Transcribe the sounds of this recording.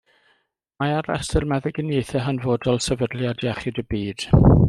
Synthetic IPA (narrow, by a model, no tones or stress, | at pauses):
maaɾɛ̰stɪrmɛðɪɡənejθɛɦanvoːdɔlˠsɛvədlˠjadjaχɪdəbiːd̥